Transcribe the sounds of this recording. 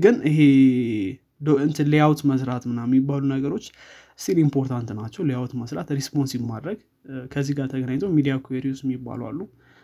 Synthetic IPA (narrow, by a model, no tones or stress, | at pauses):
ɡɨnɨɦe | dɨnt̪ʰɨlejawt̪məsɾat̪mɨnajɛmːibːalunəɡəɾo̞t͡ʃː | st̪ʰilimpʰo̞ɾt̪ʰant̪nat͡ʃːɛwlejawt̪məsɾat̪ɾespo̞nsiβmad̪ɾəɡ | kʰəzːiɡaɾt̪ʰəɡənaɲt̪ʰomid̪ijakʰueɾiosmibːa̰lwa̰lːu